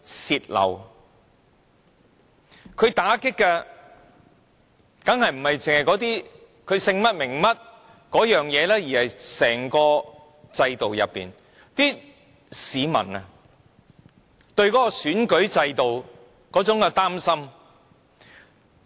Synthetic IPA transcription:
siː˨t̚lɐ̰˨˩w | kʰɵ˨˧ɥt̪aː˨˥kɪ˥kːɛ˧ | kɐ˨˥ŋhɐ˨jm̩˨˩hɐ˨jt͡sɪ˨ŋhɐ˨jkɔː˨˥t̪iː˥ | kʰɵ˨˧ɥsɪ˧ŋmɐ˥t̚mɪ˨˩ŋmɐ˥t̚ | kɔː˨˥jœː˨˩ŋjɛː˨˧lɛː˥jiː˨˩hɐ˨jsɛː˨˩ŋkɔː˧ | t͡sɐ˧jt̪o˨wjɐ̰˨pːḭː˨n | t̪iː˥ | siː˨˧mɐ̰˨˩nɐ˧ | t̪ɵ˧ɥkɔː˨˥kɔ˧syː˨˥nkɵ˨˥ɥt͡sɐ˧jt̪o˨w | kɔː˨˥t͡sʊ˨˥ŋkɛ˧t̪aː˥msɐ˥m

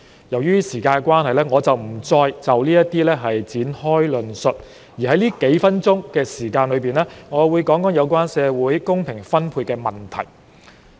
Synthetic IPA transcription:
jɐ˨˩wjyː˥siː˨˩kaː˧nɛ˧kwaː˥nhɐ˨jlɛː˥ŋɔː˨˧t͡sɐ˨wm̩˨˩t͡sɔː˧jt͡sɐ˨wliː˥jɐ˥t̪iː˥lɛː˥ɦɐ˨jt͡siː˨˥nhɔː˥jlɵ˨nsɵ˨t̚ | jiː˨˩ɦɐ˨˦jliː˥ke˨˥jfɐ˥nt͡sʊ˥ŋkɛː˧siː˨˩kaː˧nlɵ˨˧piː˨nlɛː˥ŋɔː˨˧wuː˨˧jkɔː˨˥ŋkɔː˨˥ŋjɐ˨˧wkwaː˥nsɛː˨˧wuː˨˥jkʊ˥ŋpʰɪ˨˩ŋfɐ˥npʰuː˧t̚kɛː˧mɐ˨nt̪ʰɐ̰˨˩j

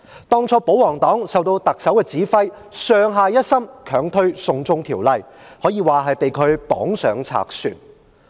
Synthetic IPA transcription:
t̪ɔː˥ŋt͡sʰɔː˧˥po˨˥wɔː˨˩ŋt̪ɔː˨˥ŋsɐ˨wt̪o˧wt̪ɐ˨k̚sɐ˨˥wkɛː˧t͡siː˨˥fɐ˥j | sœː˨˧ŋɦaː˨˧jɐ˥t̚sɐ˥mkʰœː˨˥ŋt̪ʰɵ˥ɥsʊ˨˧ŋt͡sʊ˧ŋt̪ʰiː˨˩wlɐ˨jhɔː˨˥jiː˨˧waː˨˩ɦɐ˨jpe˨jkʰɵ˨˧ɥpɔ̰ː˨˥ŋsœː˨˧ŋt͡sʰa̰ː˨k̚sy̰ː˨˩n

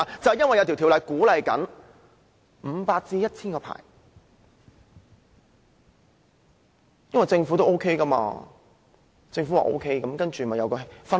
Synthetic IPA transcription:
t͡sɐ˨whɛ˨jɐ˥nwɐ˨jt̪ʰt̪ʰi˨˩wlɐ˨˩jkuː˨˥lɐ˨jkɐ̰˨˥n | m̩˨˧˦paː˧k̚t͡siː˧jɐ˥t̚t͡sʰiː˥nkɔː˧pʰa̰ː˨˩j | jɐ˥nwɐ˨jt͡sɪ˧ŋfu˨˥t̪o˥wʔo˥wkʰe˥jkɐ˥ma̰ː˧ | t͡sɪ˧ŋfu˨˥wa̰˨˩ʔo̰˥wkʰe˥jkɐ˨˥mkɐ˥nt͡ʃy˨˩˨mɐ˨jɐ˨˧kɔː˧fɐ˥

